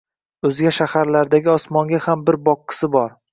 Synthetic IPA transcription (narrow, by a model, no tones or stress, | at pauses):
ɵzɡʲaʃahaɾlaɾd̪aɡʲɪɒsmɒŋɡʲahambɪɾbɒqːɨ̥sɪbɒɾ